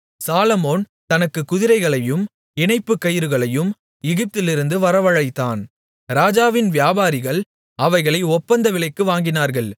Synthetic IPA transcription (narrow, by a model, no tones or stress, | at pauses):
saːlɐmoːn | t̪ɐnɐkːɯkːʊðɪɾɐɪɣɐɭɐjɯm | ɪnɐɪpːɯkːɐjɪɾɯɣɐɭɐjɯm | ɛɣɪp̚t̪ɪlɪɾɯnd̪ɯʋɐɾɐʋɐɻɐɪt̪ːaːn | ɾaːd͡ʒaːʋɪnʋjaːbaːɾɪɣɐɭ | ɐʋɐɪɣɐɭɐɪɔpːɐnd̪ɐʋɪɭɐɪkːɯʋaːŋɡɪnaːɾɣɐɭ